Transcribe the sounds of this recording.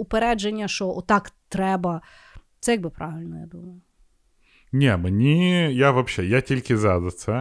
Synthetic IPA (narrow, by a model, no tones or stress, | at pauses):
ʊpeɾɛd͡ʒenʲːɐʃɔɔt̪ːɑkt̪ɾɛbɐ | t̪sɛjɐɡ̚bɨpɾʔaʋʲɪlʲnɔja̰d̪umɐjʊ | nʲemnʲijavɐpɕːejatʲilʲkʲɪzad̪ɐt̪sɐ